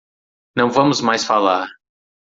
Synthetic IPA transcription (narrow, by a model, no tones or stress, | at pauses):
nɐ̃w̃vɐmʊzmajsfalaɾ